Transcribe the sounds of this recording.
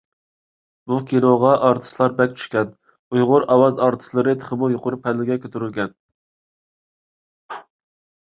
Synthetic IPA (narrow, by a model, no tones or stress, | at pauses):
bukʲinoʁɑʔɑɾt̪ʰɨ̥slˠɑɾbɛk̚ʲt͡ʃʰy̥ʃkʲɛn | ujʁʊɾɑwɑzɑɾt̪ʰɨ̥slˠɨɾɨt̪ʰə̥χəmujoqʰʊɾupʰɛlːɪɡʲɛkʲʰøt̪yɾylɡʲɛn